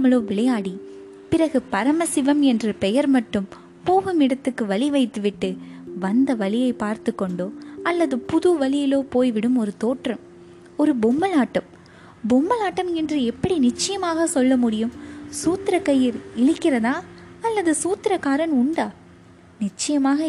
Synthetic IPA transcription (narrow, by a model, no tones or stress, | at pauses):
mɐloːʋɪɭɐjaːɽi | pɪɾɐɣɯpɐɾɐmɐsɪʋɐmɛndrɯpɛjɐɾmɐʈːɯm | poːɣɯmɪɽɐt̪ːɯkːɯʋɐɭɪʋɐɪt̪ːɯʋɪʈːɯʋɐnd̪ɐʋɐɭɪjɐɪpaːɾt̪ɯkːɔɳɖoːɐlːɐðɯpʊðuʋɐɭɪjɪloːpoːjʋɪɽɯmɔɾɯt̪oːʈrɐm | ɔɾɯbʊmːɐlaːʈːɐm | bʊmːɐlaːʈːɐmɛndrɯɛpːɐɽinɪt͡ʃːɐjɐmaːɣɐsɔlːɐmʊɽɪjɯmsuːt̪ɪɾɐkːɐjɪɾɪɻɯkːɪrɐðaːɐlːɐðɯsuːt̪ːɪɾɐkaːɾɐnʊɳɖaː | nɪt͡ʃːɐjɐmaːɣɐ